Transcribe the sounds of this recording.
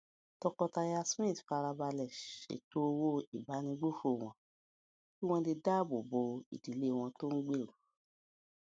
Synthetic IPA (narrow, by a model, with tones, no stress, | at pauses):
tɔ˧kɔ˧ta˧ja˧smĩ˦˨tfa˧ɾa˧ba˧lɛ˨ʃḛ˨to˦˧wo˦i˨ba˨˦nĩ˧ɡ͡bu˦fo˦˨w̃ɔ̃˧ | ki˦w̃ɔ̃˧di˧da˦˨bo˨bo˧ḭ˨di˨le˦˨w̃ɔ̃˧to˦n̩˦ɡ͡be˦˨ɾu˨˦